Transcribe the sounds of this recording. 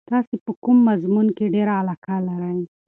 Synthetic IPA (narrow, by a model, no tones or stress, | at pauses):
t̪ɑsepəkumːazmunkeɖeɾaːlɑkalaɾaj